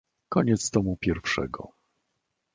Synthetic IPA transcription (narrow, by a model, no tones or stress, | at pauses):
kɔɲɛt̪st̪ɔmupʲjɛɾfʂɛ̰ɡɔ̰